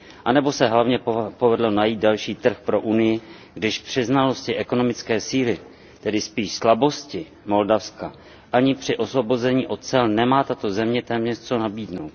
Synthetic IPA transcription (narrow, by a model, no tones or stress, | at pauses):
ʔanɛbo̞sɛɦlavɲɛpo̞vɛdlonajiːt̪̚dalʃiːt̪r̩xpɾo̞ʔunɪjɪ | ɡdɪʃpr̝̥ɪznalo̞scɪʔɛko̞no̞mɪt͡skɛːsiːlɪ | t̪ɛdɪspiːʃslabo̞scɪ | mo̞ldafska | ʔaɲɪpr̥ɪʔo̞svo̞bo̞zɛɲiːʔo̞t̪̚t͡sɛlnɛmaːt̪at̪ozɛmɲɛt̪ɛːmɲɛst͡so̞nabiːdno̞wt̪̚